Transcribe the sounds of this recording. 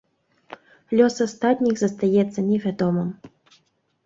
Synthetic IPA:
lʲɔsast̪at̪ʲnʲiɣzɐst̪ajɛt̪sːɐnʲɛvʲad̪ɔmɨm

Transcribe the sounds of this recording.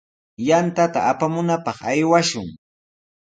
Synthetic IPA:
jant̪at̪a̰ːpamʊnapɑχajwaʃʊŋ

